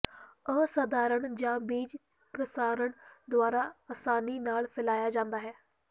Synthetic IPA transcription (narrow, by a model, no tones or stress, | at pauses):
əsəd̪aːɾəɳd͡ʒãːbiːd͡ʒ | pɾəsaːɾəɳd̪ʊaːɾaːasaːniːnaːlpʰɪlaːjaːd͡ʒãːnd̪aːɦɛː